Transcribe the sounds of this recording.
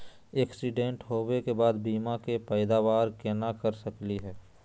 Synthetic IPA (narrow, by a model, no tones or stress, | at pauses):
eːksɪɖẽɳʈɦoːwekebaːd̪biːmakepɛɪd̪aʋaːɾkeːnakəɾsəkliɦɛː